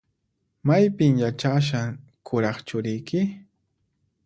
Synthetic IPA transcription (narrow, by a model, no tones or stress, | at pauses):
majpɪmjat͡ʃaʃ̬a | kʰʊɾɑχt͡ʃʊɾɪjkɪ